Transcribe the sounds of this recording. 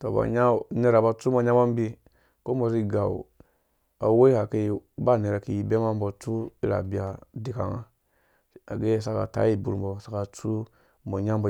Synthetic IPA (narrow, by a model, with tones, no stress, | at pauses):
to˨ba̰˨ɲa˦ne˨ɾa˨ba˨t͡su˦mo˨ɲa˦ma˦m˦bi˧ | ko˦mo˨zi˦ɡa̰˨ | a̰˨wo˦i˦ha˨ke˧˨ba˦˨ne˨ɾa˨ki˨ji˨be˦ma˦m˦bo˨t͡su˦ḭ˦ɾa̰˨bi˨a˨di˨ka̰˨ŋa̰˦ | a̰˨ɡe˦˨sa˦ka̰˨ta̰˨˦i˦˨bu˨ɾbɔ˨sa˦ka˨t͡su˦ | mo˨ɲa˦mbo˨